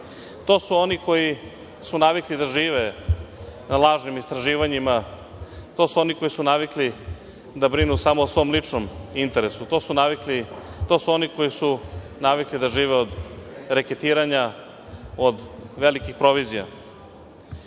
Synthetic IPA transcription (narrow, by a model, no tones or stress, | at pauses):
t̪o̞ːsuoniko̞ji | sunaʋiklid̪aʒiːʋe̞ | nalˠaːʒnimist̪ɾaʒiːʋaɲima | t̪o̞ːsuo̞niko̞jisunaʋikli | d̪abɾinusamo̞osʋo̞ːmlˠit͡ʂnomint̪e̞ɾesut̪o̞ːsunaʋiklit̪o̞ːsuo̞niko̞jisu | naʋiklid̪aʒiːʋe̞od̪ɾeket̪iːɾaɲa | od̪ʋe̞likixpɾo̞ʋizija̰